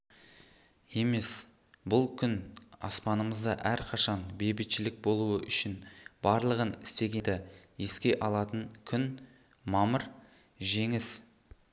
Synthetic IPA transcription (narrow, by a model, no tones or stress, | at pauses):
je̞me̞s | bʊlˠkʲʰʏnɑ̰spɑnəməzd̪ɑʔæɾqʰɑʃɑnbejbɪt̪ʃɪlɪk̚bo̞lˠuəʔʏʃɪnb̥ɑɾlˠəʁənɪst̪e̞ɡʲe̞d̪ɪje̞skʲe̞ʔɑlˠɑt̪əŋkʲʰʏn | mɑməɾ | ʒe̞ŋɪs